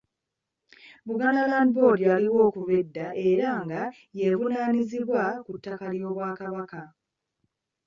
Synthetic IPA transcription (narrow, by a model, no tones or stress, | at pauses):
buɡanalaːndbo̞dialiwo̞ːkuβedːaʔe̞ɾaŋɡa | je̞vunaːniziβwakutːakaljo̞ːβwaːkaβaka